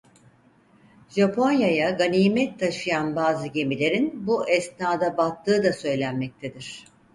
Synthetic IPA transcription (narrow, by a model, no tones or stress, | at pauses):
ʒapʰo̞njajaɡaniːmɛt̚t̪ʰːaʃɯjanbaːzɯɟe̞milʲe̞ɾinbuɛsnaːd̪abat̪ʰːɯːd̪asø̞jlʲænmɛc̚t̪ʰe̞d̪iɾ̝̥